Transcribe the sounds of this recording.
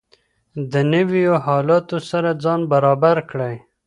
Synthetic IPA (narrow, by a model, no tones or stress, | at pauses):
d̪ənəwijoɦɑlɑt̪osaɾad͡zɑnbaɾɑbaɾkɽaj